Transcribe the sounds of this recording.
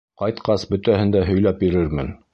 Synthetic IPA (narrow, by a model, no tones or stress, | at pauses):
qɑjt̪qɑsbɵ̆t̪æhɘ̆nd̪æɦɵ̆jlæp̚biɾɘɾmɘn